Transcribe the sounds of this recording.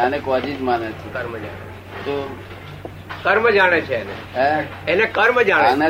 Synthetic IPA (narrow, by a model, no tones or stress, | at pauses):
anekɔd͡ʒid͡ʒmanet͡ʃʰũkəɾmd͡ʒa̰ɽe | t̪o | kəɾmd͡ʒaɽ̃et͡ʃʰeːnḛ | e | enekəɾmd͡ʒaɽ̃ane